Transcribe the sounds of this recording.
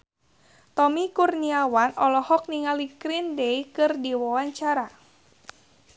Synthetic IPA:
t̪ɔmikurniawanɔlɔhɔk̚niŋalikɾindeikɨrdiwawaɲt͡ʃaɾa

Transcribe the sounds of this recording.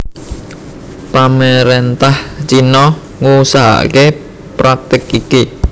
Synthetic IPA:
paməɾent̪aht͡ʃinɔ | ŋusaɦa̰ke | pɾak̚t̪ɪkiki

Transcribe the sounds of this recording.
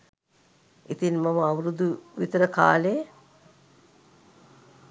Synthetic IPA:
it̪inmaməaʋɾud̪uʋit̪ɐɾəka̰ːləjə

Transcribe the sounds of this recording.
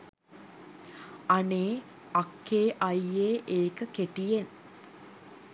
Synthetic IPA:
ɐneː | ɐkʰːeːʔɐjeːʔeːkəkeʈijen

